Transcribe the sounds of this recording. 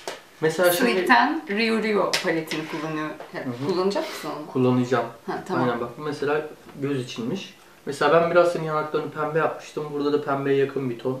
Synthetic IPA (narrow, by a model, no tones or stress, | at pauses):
mese̞lʲaːʃmid̪it̪ʰænɾijuɾijopʰalʲet̪ʰinikʰulˠːanɯjoɛɯɦkʰulˠːanɯd͡ʒaksɯkʰulˠːanɯd͡ʒamhat̪ʰajnænbakbumese̞lʲaːɟøzit͡ʃʰinmiʃ | meselʲaːbænbiɾazsʰenijanaklˠaɾɯnɯpʰænbɛjap̚mɯ̥ʃt̪ʰɯmbuɾd̪ad̪apʰænbɛjɛjakʰɯnbit̪ʰon